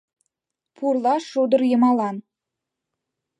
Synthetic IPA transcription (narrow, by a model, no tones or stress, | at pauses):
pʰurlˠɑʃuod̪əɾjəmɑlˠɑn